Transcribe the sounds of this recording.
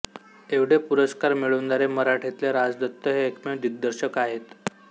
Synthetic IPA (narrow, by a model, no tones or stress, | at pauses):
eʋɽ̤epuɾəskaɾmiɭund̪aɾeməɾaʈʰet̪ljeɾad͡zd̪ət̪ːəɦeːkmed̪iɾd̪əɾɕəkaɦet̪